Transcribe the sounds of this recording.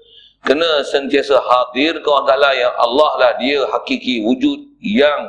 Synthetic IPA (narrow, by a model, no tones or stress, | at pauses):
kənə̃sənt̪iasahad̪ɪrkawãt̪alajaŋʔa̰lːahlahdiəɦakikiwud͡ʒut̪̚jaŋ